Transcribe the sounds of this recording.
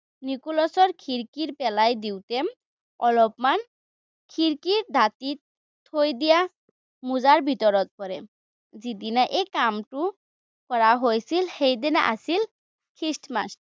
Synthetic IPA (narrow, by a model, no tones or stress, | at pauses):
nikulɔsɔɾkʰiɾkiɾpɛlajd̪iwt̪e | ɔlɔpman | kʰiɾkiɾd̪ʱat̪it̪ʰː | ojd̪ija | muzaɾbʱit̪ɔɾɔt̪̚pɔɾe | zid̪inaʔekamʈu | kɔɾaɦojsʰilhejd̪ena̰ʔa̰sʰil | kʰisʈma̰sʈ